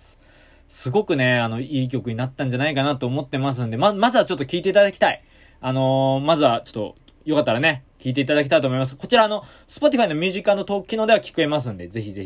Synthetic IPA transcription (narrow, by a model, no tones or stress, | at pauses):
sɨɡo̞kɯ̟ne̞ano̞iːk̬ʲo̞kɯ̟ɲ̟inat̪ːãɲ̟d͡ʑanaikanat̪oːmo̞t̪ːe̞mas̬ɨ̃nd̪e̞mamazɨβat͡ɕo̞t̪ːokʲiːt̪e̞it̪ad̪akʲi̥t̪ai | ano̞mazɨβat͡ɕo̞̥t̪ːo̞̰ | jo̞kat̪ːaɾane̞kʲiːt̪̬e̞it̪ad̪ak̬ʲi̥t̪ait̪omo̞imasɨ̥kot͡ɕiɾaːno̞ | sɨ̥po̞t̪̬ʲiɸaino̞mʲjɯːʑikãnːo̞t̪o̞ːkʲːinod̪e̞βakʲi̥kɯe̞mas̬ɨ̃nd̪e̞ze̞çizeçi